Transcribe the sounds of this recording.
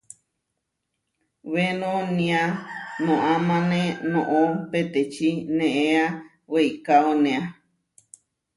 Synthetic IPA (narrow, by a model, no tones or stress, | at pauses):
wenõnĩanõʔamãnẽnõʔopet̪et͡ʃinẽʔea | weikaonẽa